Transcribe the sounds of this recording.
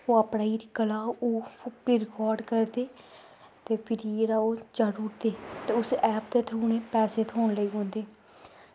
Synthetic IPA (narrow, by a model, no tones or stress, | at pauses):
oːaːpɳaːiːɾɪkəlaːoːpɪɾɪkɔːɾɖkəɾd̪eː | t̪eːpʰɪɾiːeɾaːoːd͡ʒəɾuːɾd̪eːt̪eːʊsɛːp̚d̪eːt̪ʰɾuːneːpɛːseːt̪ʰɦoːnləiːɦõːnd̪eː